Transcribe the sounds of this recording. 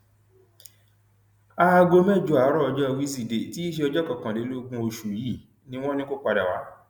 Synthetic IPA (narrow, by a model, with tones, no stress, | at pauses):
a˦˧ɡo˧mɛ˦˨d͡ʒo˨a˨˦ɾɔ˦ɔ˧d͡ʒɔ˦˧wi˦zi˨de˨ti˦i˦ʃ̬e˧ɔ˧d͡ʒɔ˦kɔ̃˨kã˨de˨˦lu˦ɡũ˧˦o˧ʃu˨ji˦˨ | nĩ˦w̃ɔ̃˦nĩ˦ko˦k͡pa˧da˨wa˨˦